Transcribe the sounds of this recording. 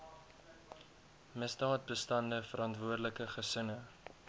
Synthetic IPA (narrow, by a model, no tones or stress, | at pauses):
mɪsdɑːt̚bəstɐndəfəɾʔɐntvuərdələkəχəsənə